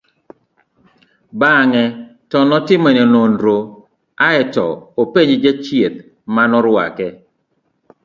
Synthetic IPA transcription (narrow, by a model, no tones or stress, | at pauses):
baŋɛtɔnɔtɪmɔnɛnondɾo | aɛtɔ̰opeɲd͡ʒat͡ʃjet̪̚ | manɔɾwa̰kɛ